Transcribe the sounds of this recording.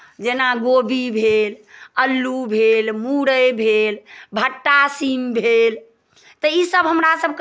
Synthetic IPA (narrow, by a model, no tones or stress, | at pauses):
d͡ʒenaɡobibʱeləlːubʱelmuɽəjbʱelbʱəʈːasimbʱel | t̪əisəbɦəmɾasəb̚k